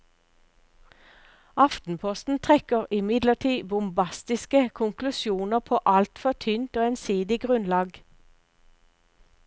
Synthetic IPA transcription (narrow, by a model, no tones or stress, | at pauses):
ɑft̪n̩pʰɔst̪n̩t̪ʰʁɛkəʁɪmɪd̪ləʁt̪ʰiːbʊmbɑst̪ɪskəkʰʊŋklʉsjuːnəʁpʰoːʔɑlt̪fɔt̪ʰʏnt̪oːensiːd̪ɪɡʁʉnlɑːɡ